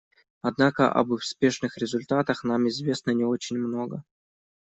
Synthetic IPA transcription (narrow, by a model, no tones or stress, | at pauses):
ɐd̪nakə̰ʔɐ̰bʊspʲe̞ʂnɨxɾʲɪzʊlʲt̪at̪əxn̪amɪzvʲe̞snənʲɪo̞t͡ɕɪnʲmno̞ɡə